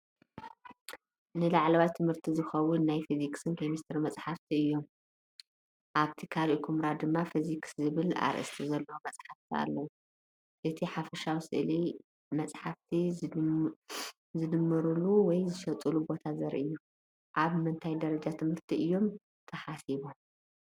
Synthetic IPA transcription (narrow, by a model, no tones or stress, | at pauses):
nɨlaʕlɐwajt̪ʰɨmhɨɾt̪ʰizɨxɐwʊnːajfizikʼsɨnkʰomist̪ʰɐɾmɐt͡sʼħaft̪ʰiɨjːo̞m | ʔaβt̪ʰikʰaliʔkʰumɾad̪ɨmːafizikszɨβɨla̰ɾʔɨ̰st̪ʰizɐlːɐwumɐt͡sʼħaft̪ʰia̰lːɐwu | ʔɨt̪ʰiħafɐʃawisɨ̰ʔli | mɐt͡sʼħaft̪ʰi | zɨd̪ɨmːɨɾuluwɔjzɨʃɐt̪ʼɨlubo̞t̪ʰazɐɾʔɨjːu | ʔaβmɨnt̪ʰajd̪ɐɾɐd͡ʒat̪ʰɨmhɨɾt̪ʰiʔɨjːo̞m | t̪ʰɐħasiβom